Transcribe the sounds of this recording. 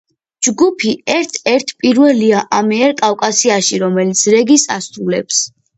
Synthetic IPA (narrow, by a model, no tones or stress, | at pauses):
d͡ʒɡupʰiɛɾt̪ʰɛɾt̪ʰpʼiɾvɛliaʔamɛːɾkʼafkʼasiaʃiɾɔmɛlit̪sʰɾɛɡisa̰sɾulɛps